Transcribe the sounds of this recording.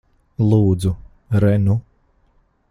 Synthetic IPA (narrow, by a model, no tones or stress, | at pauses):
lˠuːd̪zu | ɾɛnu